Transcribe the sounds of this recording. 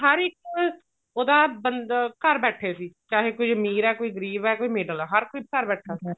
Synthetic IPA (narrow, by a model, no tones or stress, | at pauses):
ɦəɾɪk | oːd̪aːbənkəɾbɛːʈʰeːsiːt͡ʃaːɦeːkʊd͡ʒmiːɾɛːkoːiːɡəɾiːbɛːkoːiːmeːɖəlɛːɦəɾkoiːkəɾbɛːʈʰaːsi